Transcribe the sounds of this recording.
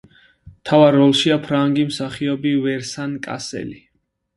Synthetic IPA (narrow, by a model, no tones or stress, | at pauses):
t̪ʰavaɾːɔlˠʃiapʰɾaŋɡimsaχiɔbivɛɾsankʼa̰sɛ̰li